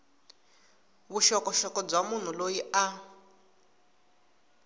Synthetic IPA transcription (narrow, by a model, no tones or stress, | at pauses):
βuʃɔkɔʃɔkɔb͡ʐamun̤ulojia